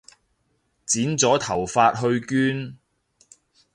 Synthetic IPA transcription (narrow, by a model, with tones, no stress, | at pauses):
t͡siː˨˥nt͡sɔː˨˥t̪ʰɐ˨˩wfaː˧t̚ɦɵ˧ɥkyː˥n